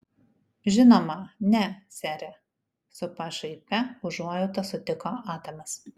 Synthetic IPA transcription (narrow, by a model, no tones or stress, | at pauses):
ʒʲɪnoːmɐnʲɛsʲæːɾʲɛ | sʊpɐʃɐɪpʲɛʊʒuɔjʊt̪ɐsʊt̪ʲɪkoːʔɑːt̪ɐmʲɛs